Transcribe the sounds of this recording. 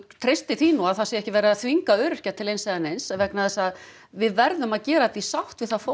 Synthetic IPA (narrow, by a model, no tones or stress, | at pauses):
t̪ʰɾest̪ɪθiːnuaðθasɪɛhcɪvɛɾɪaθviŋkaœːɾʏ̥cat̪ʰɪlejnsɛðanejnsavɛknaðɛsað | vɪðvɛɾðʏmaðcɛːɾat̪isawht̪vɪðθaðfo